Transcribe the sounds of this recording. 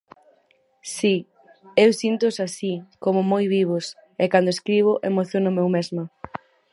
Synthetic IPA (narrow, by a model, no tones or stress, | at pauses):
si | ewsint̪ʊsasikomʊmojβiβ̞ʊs | ekand̪oeskɾiβ̞ʊʔemoθjonʊmewmezmɐ